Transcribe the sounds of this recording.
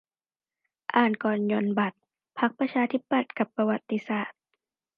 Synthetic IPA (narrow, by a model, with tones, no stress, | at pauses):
ʔaː˨˩nkɔː˨˩njo˧nba˨˩t̪̚ | pʰa˦˥k̚pɾa˧t͡ɕʰaː˧t̪ʰi˦˥pːa˨˩t̪̚ka˧˦pːa˧wa˧t̪ːi˧saː˨˩t̪̚